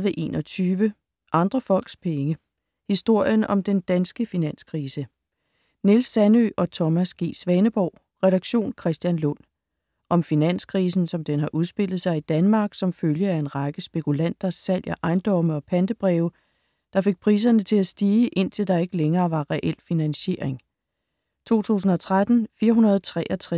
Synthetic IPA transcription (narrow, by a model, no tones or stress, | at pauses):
ʋeʔe̝̰ːnʔɒ̽t͡sʰyːʋə | ʔɑ̈nd̥ʁɐfɒ̽l̰ɡ̥spʰeŋə | hisd̥o̝ɐ̰jənɒ̽md̥end̥ænsɡ̥əfinæn̰skʰʁiːsə | ne̝lsːænø̰ʔɒ̽t͡sʰɒ̽mæsɡ̥e̝̰ːsʋɛnəb̥ɒʊ̰ | ʁɛd̥ɑ̈ɡ̥ɕo̝̰ːnkʰʁɛsd̥jænlɔn̰ | ʔɒ̽mfinæn̰skʰʁiːsn̩sɒ̽md̥enɦɑ̈ʔuð̞ˠsb̥e̝l̰ð̞̩ˠsɑ̈ɪid̥ænmɑ̈ːɡ̥sɒ̽mføljəæe̝nʁɑ̈ɡ̥əsb̥e̝kʰulæn̰d̥ɐsæl̰jʔɐʔɑ̈ɪnd̥ɒ̽məɒ̽pʰænd̥əb̥ʁɛːʊ | d̥ɑ̈fe̝ɡ̥̚pʰʁḭːs̬ɐnət͡sʰe̝æsd̥iːəʔe̝n̰t͡sʰe̝ld̥ɑ̈e̝ɡ̥əleŋɐːʋɑ̈ʁɛʔel̰finænɕe̝̰ɐe̝ŋ | t͡sʰo̝̰ːt͡sʰṵːsn̩ɒ̽t͡sʰʁad̥n̩fiːɐɦunɐð̞̩ˠt͡sʰʁɛ̰ːʔɒt͡sʰʁ